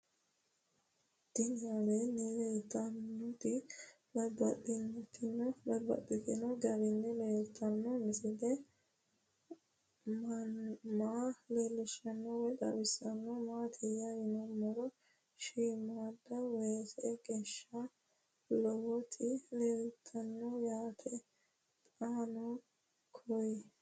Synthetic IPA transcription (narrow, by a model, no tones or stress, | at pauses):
d̪̥ɪnɪjalenejɛɪt̪ːɐnːɔt̪ɪ | bɐɾbɐtːɪnːɛt̪ʰːɪnːɔbɐɾbɐ̰dɪt̪ɪnɔɡɐɾɪnːɛleːt̪ʰːɐnːɔnɪsɪd̪ɛ | m | maːleːlːɪʃɐnːɔwɛd̪ɐ̰bɪsːɐnːɔmaːt̪ʰɪjajɪnɔmɔɾɔ | ʃiːmad̪ɐweːsɛɡeʃːɐ | lɔwɔt̪ʰɪlelt̪ʰːɐnːɔjaːt̪ʰɛ | t̪ʼaːnɔ | kʰɔj